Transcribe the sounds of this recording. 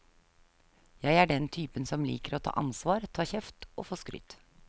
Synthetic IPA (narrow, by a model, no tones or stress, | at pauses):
jæɪæɖɛnt̪ʰyːpənsɔmlḭːkəɾoːt̪ʰɑ̰ːʔɑnsʋɑːɾt̪ʰɑːçɛft̪o̰ːfoːskɾʏ̰t̪